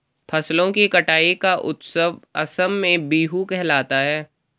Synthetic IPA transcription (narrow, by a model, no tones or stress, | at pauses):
pʰɐslõkikɐʈaːikaʔʊ̰t̪səʋɐsəmːẽbiːɦukɛɦlaːt̪aɦɛː